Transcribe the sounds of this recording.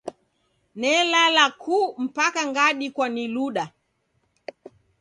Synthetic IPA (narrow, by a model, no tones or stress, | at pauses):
nɛlalakʰum̩pakaŋɡaɗikwaniluɗa